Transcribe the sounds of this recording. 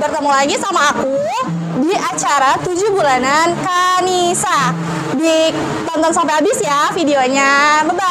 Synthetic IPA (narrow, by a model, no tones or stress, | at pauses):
bərt̪amalaɡisamaːku | diat͡ʃaɾat̪ud͡ʒubulanankanisa | di | t̪ɔnt̪ɔnsampajabɪsjafideoɲaməba